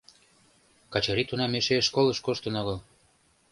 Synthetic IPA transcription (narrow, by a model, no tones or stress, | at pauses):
kɑt͡ɕɤɾit̪unɑmeʃeʃkolɤ̆ʃkoʃt̪ɤ̆noɣɤ̆l